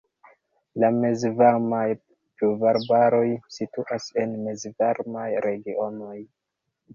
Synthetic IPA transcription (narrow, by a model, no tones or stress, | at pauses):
lamezvaɾmaj | pluvaɾbaɾo̞jsituʔase̞nmezvaɾmajɾe̞ɡio̞no̞j